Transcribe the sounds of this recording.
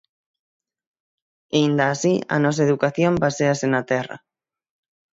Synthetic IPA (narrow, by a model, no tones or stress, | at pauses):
ind̪aːsia̰nɔs̬aeðukaθjombaseasenat̪ɛra̰